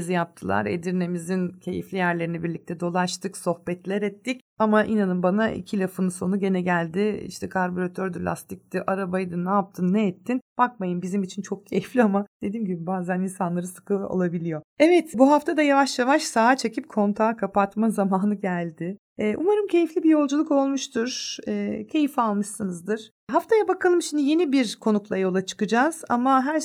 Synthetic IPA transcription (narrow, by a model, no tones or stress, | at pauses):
zijap̚t̪ʰɯlˠa̰ɾḛd̪iɾne̞mizincʰe̞jḭflʲijæɾlʲe̞ɾinɛbiɾlʲic̚t̪ʰɛd̪o̞lˠaʃt̪ɯkso̞hbɛt̪lʲɛɾɛt̪ʰːic | amaʔinanɯmbanaʔḭcʰilʲɛfɯnuso̞nuɟe̞nɛɟælʲd̪ɪḭʃt̪ʰɛkʰaɾboɾat̪ʰøɾd̪ylʲa̰st̪ic̚d̪iʔaɾabajd̪ɯnaːp̚t̪ʰɯnːɛɛt̪ʰːinb̥ak̚majɯmbizimit͡ʃʰint͡ʃʰo̞k̚cʰejiflʲiamad̪̥e̞d̪iːmɟibibaːzæninsanlˠaɾɯsɯ̥kʰɯo̰lˠabilʲijo̞ɛvɛt̪buɦaft̪ad̪ajavaʃjavaʃsaːt͡ʃʰe̞cʰip̚kʰo̞nt̪ʰaːkʰapat̪mazamaːnɯɟælʲd̪ɪː | ʔumaɾɯmcʰe̞jiflʲibijo̞lˠd͡ʒulˠuko̞lˠmuʃt̪ʰuɾ̥ɛːcʰe̞jifalˠmɯʃsɯnɯzd̪ɯɾ̥ | ɦaft̪ʰajabakʰalˠɯmʃimd̪ije̞nibiɾkʰo̞nuklˠajo̞lˠat͡ʃʰɯ̥kɯd͡ʒaz̥a̰maɦæɾ